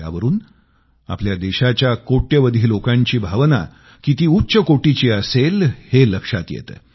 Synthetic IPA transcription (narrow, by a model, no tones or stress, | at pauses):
a̰ʋəɾuːn | a̰pljad̪eɕat͡ɕjakoʈjəʋəd̪ʱiːlokãɲt͡ɕiːbʱaʋna̰ | kit̪iːutːɕəkoʈit͡ɕiːəselheləkʂat̪jḛt̪ə